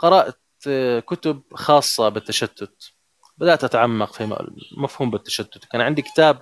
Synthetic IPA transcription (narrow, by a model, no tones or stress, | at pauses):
qɑɾˤɑːʔat̪ | kʊt̪ʊbxɑːsˤːɑbɪt̪ːaʃad̪̥ːʊt̪ | bɪd̪aʔt̪ʔat̪ʕamːɑqfḭmafhuːmbɪt̪ːaʃad̪ːʊt̪kaːnʕɪnd̪ikɪ̥t̪aːb̚